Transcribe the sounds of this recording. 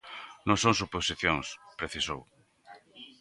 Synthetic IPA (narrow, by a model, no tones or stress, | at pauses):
nõŋsõŋsuposiθjoŋspɾeθisow